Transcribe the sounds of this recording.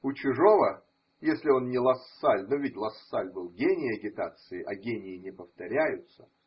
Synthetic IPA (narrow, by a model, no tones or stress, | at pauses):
ʊt͡ɕʊʐo̞və | jesʲlʲɪo̞nnʲɪlˠɐsːalʲnovʲɪtʲlˠɐsːalʲbɨlˠɡʲenʲɪjɐɡʲɪt̪at̪sɨɪʔɐɡʲenʲɪɪnʲɪpəft̪ɐɾʲæjʊt̪sə̥